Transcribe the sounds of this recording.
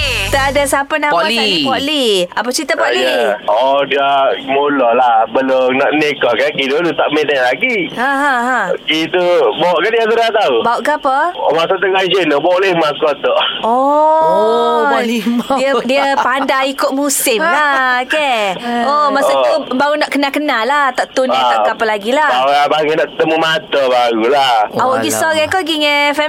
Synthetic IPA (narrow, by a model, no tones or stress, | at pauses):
t̪əadasapənamipɔliapət͡ʃit̪apɔijəɔdiamolɔlahbəlonaʔnekɔkakidolut̪aʔmenalaɡihãɦãɦãkit̪ubaʔkandiasəɾat̪aubaoʔkəapəo̰masat̪əɡaisənɔbɔʔlemakɔt̪ɔʔoo | diədiəpandaikʊt̪̚musɪmlaokeomasat̪ubaɾunaʔkənakənalaht̪aʔt̪unat̪aʔkapəlaɡilabaabaŋenaʔt̪əmumat̪ɔbaɾulahawaɡisɔɾɛkɔɡiŋɛfɛ